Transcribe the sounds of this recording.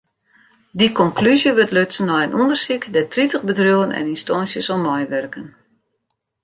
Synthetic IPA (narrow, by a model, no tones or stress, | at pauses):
dikɔŋklyzjəʋøtløtsənːɔjənʔundərsikdɛtritəxbədrjoːənɛ̰ninstɔnsjəsɔmmɔjʋɛrkən